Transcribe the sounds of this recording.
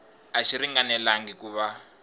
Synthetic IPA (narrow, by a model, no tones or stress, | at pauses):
aʃiɾiŋɡanɛlaŋɡikuːβa